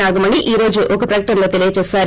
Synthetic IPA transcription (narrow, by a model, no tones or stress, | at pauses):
aːɡɐmɐniʔiːɾo̞ːd͡ʒuʔɔkɐpɾɐjkɐʈɐmlo̞ːt̪elijɐt͡ʃɛːsaːɾ